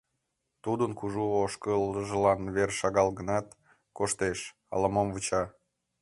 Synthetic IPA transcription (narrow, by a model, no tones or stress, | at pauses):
t̪ud̪ənkuʒuoʃkələʒəlɑnβerʃɑɣɑlɣənɑt̪ | koʃt̪eʃ | ɑ̰lɑmomvut͡ɕɑ